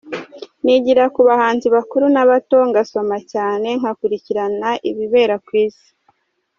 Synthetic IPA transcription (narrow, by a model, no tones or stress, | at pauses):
niɟiɾakuβahaːnziβakuɾunaβato̞ŋɡaso̞macaːne̞ŋ̥akuɾiciɾanaʔiβiβe̞ːɾakwiːz̥i̥